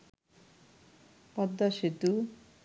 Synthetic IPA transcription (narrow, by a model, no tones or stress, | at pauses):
pɐd̪ːaʃit̪u